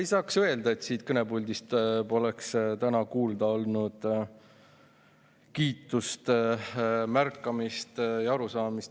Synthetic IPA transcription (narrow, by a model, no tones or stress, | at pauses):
ejsɑːksøe̞ld̪̥ɑe̞t̪siːt̪̚kɤne̞bulʲd̪ist̪po̞lekst̪ænɑkuːld̪̥ɑo̞lnud̪̥ | kiːt̪ːˑust̪ | mærkːˑɑmist̪jɑɑɾusɑːmist̪